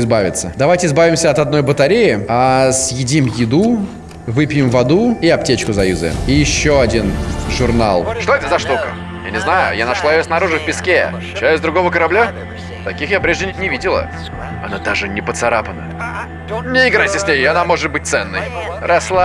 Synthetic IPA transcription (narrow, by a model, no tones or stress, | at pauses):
ɪzbavʲɪ̰t̪sːəd̪ɐvajtʲɪzbavʲɪmsʲəɐt̪ɐd̪̚no̞jbət̪ɐɾʲejɪasjɪdʲimjɪd̪u | vɨpʲjɪmvɐd̪uɪɐp̚tʲet͡ɕkʊzɐjuzə̰ɪjɪɕːo̞ɐdʲinʐʊrna̰lˠʂt̪o̞ɛt̪əzɐʂt̪ukə̰ | ja̰nʲɪznajʊ̰janɐʂlˠaɪjosnɐɾuʐɨfʲpʲɪskʲe | t͡ɕæsʲd̪ɾʊɡo̞vəkəɾɐblʲa | t̪ɐkʲixjapɾʲeʐdʲɪnʲɪvʲidʲɪlˠə̰ | ɐ̰nad̪aʐɨnʲɪpət̪sɐɾapənə̰ | nʲɪɪɡɾajtʲɪsʲnʲejɐnamo̞ʐɨt̪̚bɨt̚ʲt̪sɛnːɨjɾʔɐslˠa